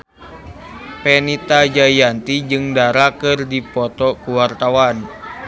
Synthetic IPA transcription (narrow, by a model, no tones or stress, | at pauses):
pɛnit̪ad͡ʒajant̪id͡ʒɨŋdaɾakɨrdipɔt̪ɔkuwart̪awan